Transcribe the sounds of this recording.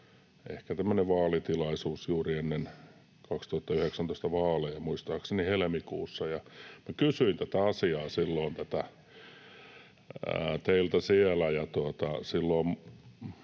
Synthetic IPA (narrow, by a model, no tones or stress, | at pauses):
ḛhkæt̪æmːøneʋʋɑːlit̪ilɑisuːsjuːrienːen | kɑkst̪uhɑt̪ːɑyheksænoˑist̪ɑʋɑːlejjɑmuist̪ɑːksenihelemikṵːsːɑjɑmækysyint̪æt̪æɑsiɑːsilːoːnt̪æt̪æ | t̪eilt̪æsielæjɑt̪uot̪ɑsilːoːm